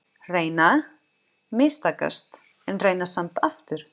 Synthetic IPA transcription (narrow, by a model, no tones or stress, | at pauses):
reːjna | mɪst̪aːka̰st̪ | ɛnreːjnasamt̪aft̪ʏɾ̥